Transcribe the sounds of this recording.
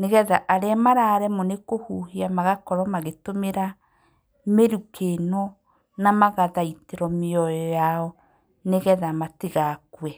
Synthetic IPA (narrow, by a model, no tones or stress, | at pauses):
neɣɛðaʔaɾɛamaɾaɾɛmɔnekohuɦeamaɣakɔɾwamaɣetomeɾa | meɾukenɔ | namaɣaðaiteɾɔmeɔjɔjaɔ | neɣɛðamateɣakwɛ